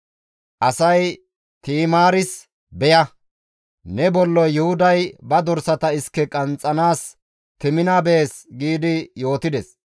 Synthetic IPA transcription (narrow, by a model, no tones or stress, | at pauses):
ʔɐsɐj | t̪iːmaːɾɪs | bɛjɐ | nɛbɔlːɔjːʊhʊd̪ɐjbɐd̪ɔɾsɐt̪ɐɪskːɛkʼɐnt͡sʼːɐnaːs | t̪ɪmɪnabeːsɡiːd̪ɪjo̞ːt̪ɪd̪ɛs